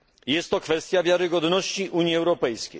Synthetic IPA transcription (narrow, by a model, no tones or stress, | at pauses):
jɛst̪ːɔkfɛst̪ʲjavʲjaɾɘɡɔd̪nɔɕt͡ɕiʔuɲjiɛwɾɔpɛjskʲḛj